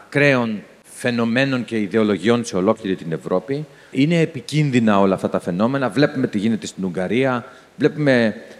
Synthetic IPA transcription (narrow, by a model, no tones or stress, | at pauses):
kɾe̞o̞n | fe̞no̞me̞no̞ɲce̞iðe̞o̞lo̞ʝio̞nse̞o̞lo̞kliɾit̪ine̞vɾo̞pi | ine̞ːpicinðinɐo̞lɐːft̪ɐt̪ɐfe̞no̞me̞nɐvle̞pume̞t̪iʝine̞t̪e̞st̪inuŋɡɐɾiɐ | vle̞pume̞